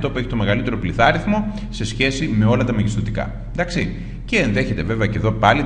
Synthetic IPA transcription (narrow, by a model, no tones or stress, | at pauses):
t̪o̞pueçi̥t̪o̞me̞ɣɐlit̪e̞ɾo̞pliθɐɾiθmo̞ | se̞sçe̞sime̞o̞lɐt̪ɐmɐʝist̪ot̪ikɐ̰ | d̪ɐksi | ce̞ːnðe̞çe̞t̪e̞ve̞veɐceðo̞pɐli